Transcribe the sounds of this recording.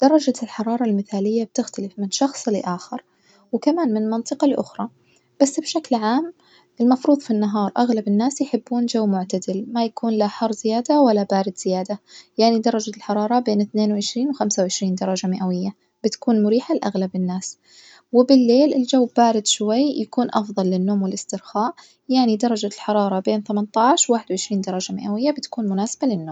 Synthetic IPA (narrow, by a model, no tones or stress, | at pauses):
d̪̥ɑɾˤːɑd͡ʒalħɑɾˤɑːɾˤɑlmɪθaːlɪjːab̚t̪ɪxt̪alɪfmɪnʃɑxsˤlɪʔaːxɪɾˤ | wɪkamaːnmɪnmɑnt̪ˤɨqɑlʔʊ̰xɾˤɑ | b̥asːbʃaklʕaːm | ʔɪlmɑfɾuːðˤfinːaɦɑːɾˤʔaɣlabɪnːaːsjɪħɪbːuːnd͡ʒawːmʊʕt̪ad̪ɪlmajakuːnlaħɑrˤzɪjaːd̪awalːabaːɾɪd̪z̥ɪjaːd̪ajaʕnid̪ɑɾˤːɑd͡ʒalħɑɾˤɑːɾˤɑbeːnɪθneːnwɪʕɪʃɾiːnwxamsawʕɪʃɾiːnd̪ɑɾˤɑd͡ʒamɪʔawɪjːa | b̥ɪt̪ḁkuːnmʊɾiːħalʔaɣlabɪnːaːs | wɪbɪlːeːlɪld͡ʒawːb̥aːɾɪd̪ʃwajjakuːnʔɑfðˤɑlːɪnːoːmwɪlɪst̪ɪɾxaːʔ | jaʕnid̪ɑɾˤɑd͡ʒalħɑɾˤɑːɾˤɑbeːnθamant̪ˤaːʕʃwwaːħɪd̪wʕɪʃɾiːnd̪ɑɾˤɑd͡ʒamɪʔawɪjːabɪt̪ḁkuːnmʊnaːsḁbalɪnːoːm